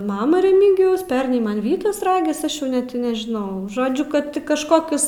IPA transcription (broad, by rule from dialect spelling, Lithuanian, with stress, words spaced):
ˈmɑːmɐ rʲɛˈmʲiːɡʲɪjɛʊs ˈpʲɛrnɐɪ ˈmɐn ˈʋʲiːtɐs ˈrɑːɡʲɪs ˈɐʃ ˈjɛʊ ˈnʲɛt ɪ nʲɛʒʲɪˈnɐʊ ˈʒoːd͡ʒʲʊ ˈkɐt kɐʃˈkoːkʲʊs